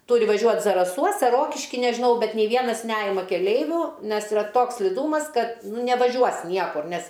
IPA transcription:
ˈtʊrʲɪ ʋɐˈʒʲuɔt zɐrɐˈsuɔs ɐr ˈroːkʲɪʃʲkʲɪ nʲɛʒʲɪˈnɐʊ ˈbʲɛt nʲeː ˈʋʲiɛnɐs ˈnʲæːjɪmɐ kʲɛˈlʲɛɪʋʲʊ ˈnʲɛs iːˈrɐ ˈtoːks sʲlʲɪˈduːmɐs ˈkɐt nʊ nʲɛʋɐˈʒʲuɔs ˈnʲiɛkʊr ˈnʲɛs

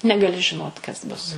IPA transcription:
nʲɛɡɐˈlʲɪ ʒʲɪˈnoːt kɐs ˈbʊs

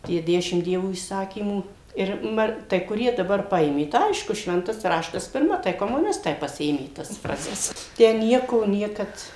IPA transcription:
ˈtʲiɛ ˈdʲæːʃʲɪmt ˈdʲiɛʋoː iːˈsɑːkʲiːmuː ɪr ˈmɐ tɐɪ kʊˈrʲiɛ dɐˈbɐr ˈpɐeːmʲeː tɐɪ ˈɐɪʃkʊ ˈʃʲʋʲɛntɐs ˈrɑːʃtɐs pʲɪrˈmɐ tɐɪ koːmʊˈnʲɪstɐɪ pɐˈsʲɪeːmʲeː tɐs ˈfrɑːzʲɛs ˈtʲæː ˈnʲiɛkoː ˈnʲiɛkɐt

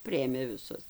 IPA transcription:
ˈpʲrʲɪeːmʲeː ʋʲɪˈsʊs

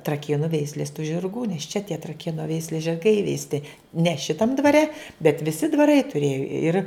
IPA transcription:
trɐˈkʲeːnʊ ˈʋʲɛɪsʲlʲeːs tʊ ʒʲɪrˈɡuː nʲɛs t͡ʃʲɛ tʲiɛ trɐˈkʲeːnʊ ˈʋʲɛɪsʲlʲeːs ʒʲɪrˈɡɐɪ iːʋʲɛɪsʲˈtʲɪ nʲɛ ˈʃʲɪtɐm dʋɐˈrʲɛ bʲɛt ʋʲɪˈsʲɪ dʋɐˈrɐɪ tʊˈrʲeːjʊ ɪr

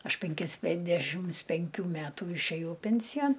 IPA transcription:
ˈɐʃ pʲɛŋʲˈkʲɪs ˈpʲɛnʲdʲɛʃʲɪms pʲɛŋʲˈkʲuː ˈmʲæːtuː ɪʃʲˈeːjɛʊ ˈpʲɛnʲsʲɪjɛn

